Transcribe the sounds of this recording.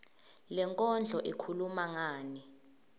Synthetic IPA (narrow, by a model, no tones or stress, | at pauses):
lɛŋkʼɔnd͡ɮʱɔʔikʰulumaŋaːni